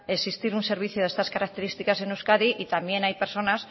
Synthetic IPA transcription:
e̞sist̪iɾunse̞ɾβ̞iθjoðe̞st̪askaɾak̚t̪e̞ɾist̪ikase̞nuskaðiʔit̪ambje̞najpe̞ɾso̞nas

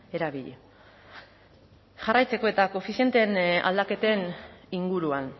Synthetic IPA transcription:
e̞ɾaβiʎe | ʝarajt͡se̞ko̞e̞t̪akofisie̞nt̪e̞na̰ld̪ake̞t̪e̞niŋɡuɾuan

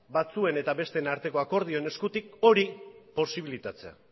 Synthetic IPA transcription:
bat͡sue̞ne̞t̪aβe̞st̪e̞naɾt̪e̞ko̞ako̞ɾð̞io̞ene̞skut̪ik̚o̞ɾipo̞siβilit̪at͡se̞a̰

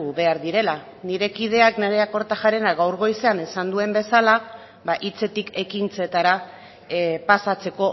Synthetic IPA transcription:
uβe̞aɾðiɾe̞la | niɾe̞kið̞e̞akne̞ɾe̞ako̞ɾt̪axaɾenaɣawɾɣo̞jse̞anesand̪ue̞mbe̞sala | βaʔit͡se̞t̪ike̞kint͡se̞t̪aɾa | pasat͡se̞ko̞

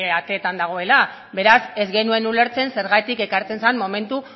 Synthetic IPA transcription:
eat̪e̞ːt̪and̪aɣ̞o̞e̞la | be̞ɾase̞zɣe̞nue̞nule̞ɾt͡se̞nse̞ɾɣajt̪ike̞kaɾt͡se̞nsanmo̞me̞nt̪u

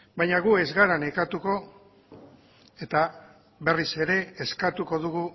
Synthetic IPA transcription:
bajɲaɣue̞zɣaɾanekat̪uko̞ | e̞t̪a | βe̞rise̞ɾe̞ːskat̪uko̞ðuɣu

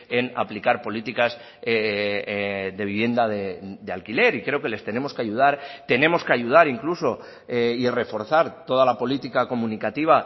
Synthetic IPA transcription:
e̞na̰plikaɾpo̞lit̪ikaz | e | ðe̞β̞iβ̞je̞nd̪aðed̪ealkile̞ɾikɾe̞oke̞le̞st̪e̞ne̞mo̞ske̞aʝuð̞aɾt̪e̞nẽ̞mo̞skeaʝuð̞aɾiŋkluso̞ | eire̞fo̞ɾθaɾt̪o̞ð̞alapo̞lit̪ikako̞mũnikat̪iβ̞a

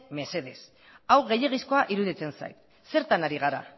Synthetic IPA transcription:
me̞se̞ð̞e̞s | awɣe̞jeɣ̞isko̞aʔiɾuð̞it͡sensa̰jt̪ | se̞ɾt̪anaɾiɣaɾa̰

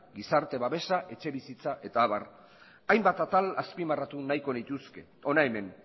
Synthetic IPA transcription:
ɡisaɾt̪e̞βaβe̞saʔe̞t͡ʃe̞βisit͡saʔe̞t̪aːβar | ajmbat̪at̪alaspimarat̪unajko̞nit̪uske̞ | o̞naeme̞n

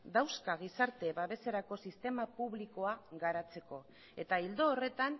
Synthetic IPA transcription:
d̪awskaɣ̞isaɾt̪e̞βaβe̞se̞ɾako̞sist̪e̞mapuβliko̞aɣaɾat͡se̞ko̞ | e̞t̪aild̪o̞ːre̞t̪an

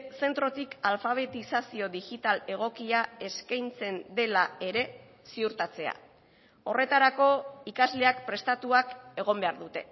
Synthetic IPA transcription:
se̞nt̪ɾo̞t̪ikalfaβ̞e̞t̪isasio̞ðixit̪ale̞ɣ̞o̞kiae̞skajnt͡se̞nd̪e̞lae̞ɾe̞ | siuɾt̪at͡se̞a̰ | o̞re̞t̪aɾako̞ikazle̞ak̚pɾe̞st̪at̪uake̞ɣ̞o̞mbe̞aɾðut̪e̞

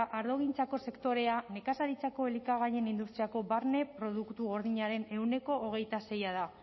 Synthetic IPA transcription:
ʔaɾðo̞ɣint͡sako̞se̞kt̪o̞ɾe̞ane̞kasaɾit͡sako̞elikaɣ̞aje̞nind̪ust̪ɾiako̞βaɾne̞pɾo̞ð̞ukt̪uɣo̞ɾðiɲaɾe̞ne̞wne̞ko̞ʔːɣ̞e̞jt̪ase̞jað̞a

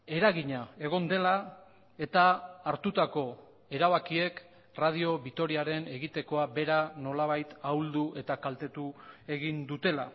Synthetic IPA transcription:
e̞ɾaɣiɲae̞ɣ̞o̞nd̪e̞la | e̞t̪aːɾt̪ut̪ako̞ | e̞ɾaβakie̞k | rað̞io̞βit̪o̞ɾiaɾe̞ne̞ɣit̪e̞ko̞abe̞ɾano̞laβ̞ajt̪awld̪ue̞t̪akalt̪e̞t̪ue̞ɣind̪ut̪e̞la

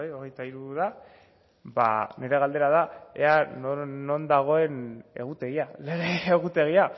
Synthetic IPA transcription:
ajo̞ɣe̞jt̪aiɾuða | ba̰ne̞ɾe̞ɣ̞ald̪e̞ɾað̞ae̞̰anːo̞nd̪aɣ̞o̞e̞ne̞̰ɣut̪e̞ɣialeɾeːɣut̪e̞ɣ̞ia

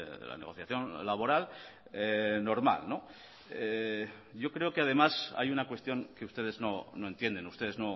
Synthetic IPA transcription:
la̰ne̞ɣ̞o̞θjaθjo̞nlaβ̞o̞ɾal | eno̞ɾma̰lno̞ | e | ʝo̞kɾe̞okeaðe̞masa̰junakwe̞st̪jo̞ŋke̞ust̪e̞ð̞ezno̞no̞e̞nt̪je̞nd̪enust̪e̞ð̞e̞zno̞

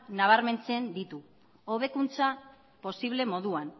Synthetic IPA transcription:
naβ̞aɾme̞nt͡se̞nd̪it̪u | o̞β̞e̞kunt͡sa | po̞siβ̞le̞mo̞ðuan

